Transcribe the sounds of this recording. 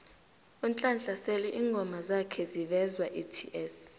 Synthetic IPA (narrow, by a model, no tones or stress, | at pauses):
unt͡ɬʼant͡ɬʼasɛlɛʔiːŋɡʱɔmazakʰɛzivɛzwaʔitʰḭʔɛs